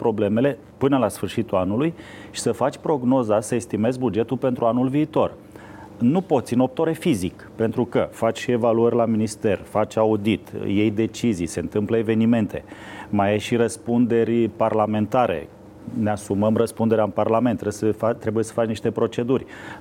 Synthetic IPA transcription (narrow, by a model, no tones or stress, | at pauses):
pɾo̞ble̞me̞le̞ | pɨnəlasfɨrʃit̪ulanulujʃi̥səfat͡ʃʲpɾo̞ɡno̞zasəest̪ime̞zbud͡ʒe̞t̪ulpe̞nt̪ɾuanulviːt̪o̞r | nupo̞t̪sʲino̞p̚t̪oɾe̞fizik | pe̞nt̪ɾukəfat͡ʃʲe̞valuərʲlaminist̪e̞rfat͡ʃʲaud̪it̪je̞jd̪e̞t͡ʃizijse̞ɨnt̪ɨmpləeve̞nime̞nt̪ʰe̞̰majeʃirəspund̪e̞rʲparlame̞nt̪aɾʔe̞̰ | neasuməmrəspund̪e̞ɾeaɨnparlame̞nt̪ːɾesəat̪ːɾebuje̞sə̥fat͡ʃniʃt̪e̞pɾo̞t͡ʃe̞d̪urʲ